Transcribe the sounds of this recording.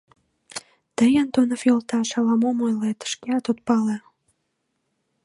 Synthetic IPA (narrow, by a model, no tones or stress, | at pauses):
t̪əjənt̪onəfilt̪ɑʃɑlɑmomojlet̪ə̥ʃkeɑt̪ot̪̚pɑle